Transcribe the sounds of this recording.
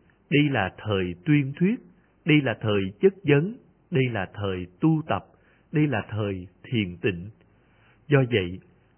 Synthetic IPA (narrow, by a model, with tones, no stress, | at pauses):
ɗə˧jlaː˨˩t̪ʰəː˨˩jt̪wi˧ənt̪ʰwi˦˥ət̚ | ɗə˧jlaː˨˩t̪ʰəː˨˩jt͡ɕə˦˥t̚zə˨˦n | ɗə˧jlaː˨˩t̪ʰəː˨˩jt̪u˧t̪ə˨˩p̚ | ɗə˧jlaː˨˩t̪ʰəː˨˩jt̪ʰi˨˩˨ənt̪ḭ̈˧˨ŋ̟ | zɔ˧və̰˧˨j